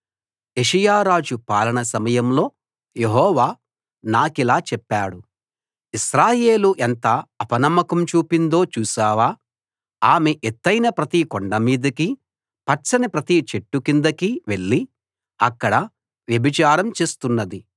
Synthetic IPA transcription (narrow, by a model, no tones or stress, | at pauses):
eʂɐjaːɾaːd͡ʒupaːlɐɳɐsɐmɐjɐmlo̞ː | jeɦɔːʋaː | naːkilaːt͡ʃɛpːaːɽu | isɾaːje̞ːluʔent̪ɐɐpɐnɐmːɐkɐmt͡ʃuːpind̪o̞ːt͡ʃuːsaːʋaː | aːmeʔet̪ːɐjnɐpɾɐt̪ikoɳɖɐmiːd̪ɐki | pɐt͡ʃɐnipɾɐt̪it͡ʃeʈːukind̪ɐkiʋe̞ɭːi | ɐkːɐɽɐ | ʋjɐbʱit͡ʃaːɾɐmt͡ʃe̞ːst̪unːɐd̪i